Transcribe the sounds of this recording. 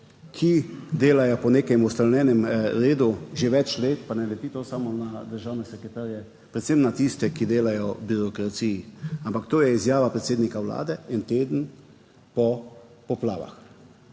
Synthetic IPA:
kʰid̪eːlajɔpɔneːkɛmɔst̪awnɛːnɛmɾeːd̪uʒeʋɛt͡ʃleːt̪panɛjlɛt̪iːt̪osamɔnad̪əɾʒaːwnɛsɛkɾɛt̪aːɾijɛ | pɾɛt̪semnat̪ist̪ɛkid̪eːlajɔbiɾɔkɾat̪sijiampakt̪oːjɛizjaːʋapɾɛt̪seːd̪nikawla̰ːd̪ɛint̪eːd̪ən̩ | pɔ | pɔpla̰ːʋa̰x

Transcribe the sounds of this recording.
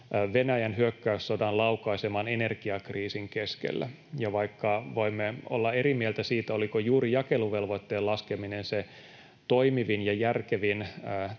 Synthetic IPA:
ʋenæjænɦyøkːæyssodɑnlɑwkɑisemɑːnene̞rɡ̥iɑkriːsiŋkeskḛlːæ̰ | jɑʋɑikːɑʋo̞imːeo̰lːɑe̞ɾimielt̪æsiːt̪æolikojuːɾijɑkeluʋelʋot̪ːeːlɑskeminense | t̪oimiʋinjɑjærkeʋinː

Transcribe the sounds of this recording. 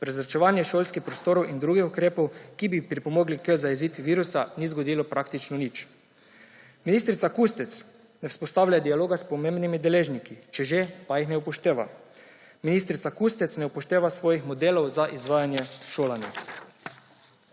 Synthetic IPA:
pɾɛzɾat͡ʃɛʋaːnjɛʃoːlskixpɾɔst̪oːɾowʔind̪ɾuːɡixukɾeːpowkibipɾipomoɡlikəzajɛziːt̪ʋiːɾusanizɡod̪iːlɔpɾakt̪it͡ʃnɔnit͡ʃ | miniːst̪ɾit̪sakust̪ɛt̪s | nɛwspost̪aːwlʎad̪ialoːɡaspɔmẽmbnimid̪ɛleːʒnikit͡ʃɛʒepajixnɛupɔʃt̪eːʋa̰ | miniːst̪ɾit̪sakust̪ɛt̪snɛupoʃt̪eːʋasʋoːjixmɔd̪eːlowzaʔizʋaːjanjɛʃoːlanja̰

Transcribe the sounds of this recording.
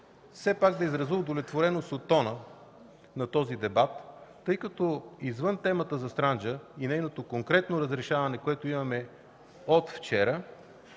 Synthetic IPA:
fsɛpaɡd̪ɐizɾɐzud̪olɛt̪voɾɛnost̪ot̪ːɔnə | nɐt̪ɔzid̪ɛbat̪ː | ɤjkɐt̪ɔizvɤnt̪ɛmət̪əzɐst̪ɾand͡ʒəinɛjnot̪okoŋkɾɛt̪noɾəzɾɛʃavɐnɛkoɛt̪oimɐmɛ | ot̪ft͡ʃɛɾə

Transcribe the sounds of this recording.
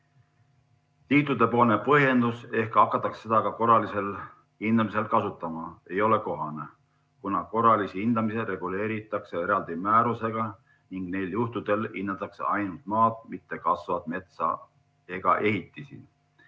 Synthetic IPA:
t̪iːt̪ˑud̪̥e̞po̞ːlne̞pɤɦje̞nd̪̥use̞hkɑkːˑɑt̪ːˑɑksːe̞d̪ɑkɑko̞rɑlise̞l | hind̪ɑmise̞lkɑsut̪ːˑɑmɑe̞jo̞le̞ko̞ɦɑne̞ | kunɑko̞rɑlisihind̪̥ɑmiseɾe̞ɡ̥ule̞ːɾit̪ːˑɑkse̞e̞ɾɑld̪̥imæːɾuse̞ɡ̥ɑ | niŋɡ̥ne̞jljuht̪ud̪̥e̞linːɑt̪ːˑɑksḛɑjnult̪̚ˑmɑːd̪mit̪ːe̞kɑsvɑd̪̥me̞t̪sɑ̰ | e̞ɡ̥ɑ̰ʔe̞ɦit̪ˑːisḭ

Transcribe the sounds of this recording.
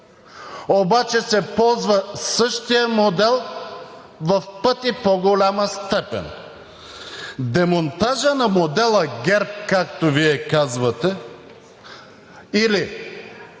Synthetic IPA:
obat͡ʃɛsɛpɔlˠzvəsɤʃt̪ijəmod̪ɛlˠ | vɐfpɤt̪ipoɡolʲaməst̪ɛpɛ̰n | d̪ɛmont̪aʒənɐmod̪ɛlˠəɡʲɛɾp̚kakt̪oviɛkazvɐt̪ɛ | ili

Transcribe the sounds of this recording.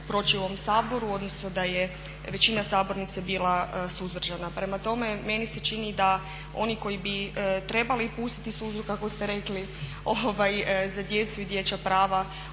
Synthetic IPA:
pɾo̞t͡ʃiomsaːbo̞ɾuo̞d̪no̞snod̪aje | ʋe̞t͡ɕinasaːbo̞ɾnit̪sebiːlˠasuzʋr̩ʒanapɾe̞mat̪o̞me̞me̞nise̞t͡ʃinid̪a | o̞niko̞jibit̪ɾe̞balipuːst̪i̥t̪isuzukakost̪eɾe̞kli | oʋajzad̪je̞t̪suid̪je̞t͡ɕapɾaːʋa

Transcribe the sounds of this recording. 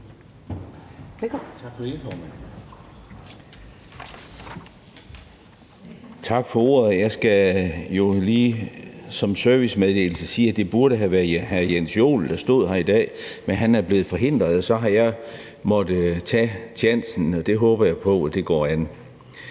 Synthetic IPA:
ɡ̥fifɒːmæn | t͡sʰɑ̈ɡ̥fɒ̽o̝̰ːɐðˠjɑ̈ɪsɡ̥æjo̝liːsɒ̽msœɐʋismeðˠd̥e̝̰ːl̩səsiːæd̥e̝b̥uɐɾəɦæʋæɐðhæjensjo̝̰ːld̥ɑsd̥o̝ð̞̰ˠɦæɐid̥ɛ̰ːmenɦænæɐb̥le̝ːð̞̩ˠfɒ̽ɦe̝n̰d̥ʁɐð̩ˠɒsɒ̽ɦɑ̈jɑ̈ɪ | mɒ̽d̥ət͡sʰɛ̰t͡sʰjæn̰sn̩ɒ̽d̥e̝ɦɔːb̥ɐjɑ̈ɪpʰɒ̽d̥e̝ɡ̥ɒ̰ːæn

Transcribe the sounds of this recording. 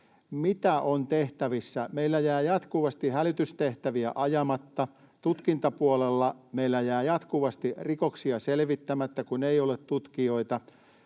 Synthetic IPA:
mit̪æʔont̪eht̪æʋisːæmeilːæjæːjɑt̪kuʋɑst̪ihælyt̪yst̪eht̪æʋiæʔɑjɑmɑt̪ːɑ | t̪ut̪kint̪ɑpuolelːɑmeilːæjæːjɑt̪kuʋɑst̪irikoksiɑselʋit̪ːæmæt̪ːækuneijolet̪t̪ut̪kio̞it̪ɑ

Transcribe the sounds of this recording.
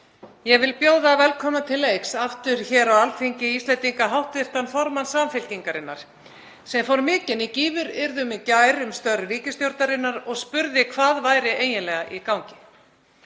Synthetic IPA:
jɛɣvɪlpjoːwðavɛlkʰɔːmat̪ʰɪlejksaft̪ʏɾ̥çɛːɾawalfiɲcɪist̪lɛnt̪iŋkaɦawht̪vɪft̪anfɔɾmansamfɪlciŋkaɾɪnːa̰ɾ̥ | sɛmfowɾmɪːcɪnɪciːvʏɾɪɾðʏmɪcajɾʏmst̪œrɾiːcɪst̪jowɾt̪naɾɪnːaɾɔɣspʏɾðɪkʰvaːðvaːjɾɪʔeːjɪnlɛɣaʔikawɲcɪ̥

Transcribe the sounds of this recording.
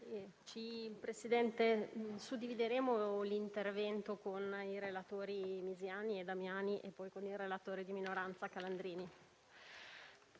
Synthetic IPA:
t͡ʃipɾesid̪ɛnt̪esud̪ːivid̪eɾeːmolint̪ervɛnt̪okoniɾelat̪oːɾimizjaːnied̪amjaːniʔepːɔjkonilrelat̪oːɾed̪iminoɾant̪sakaland̪ɾiːni

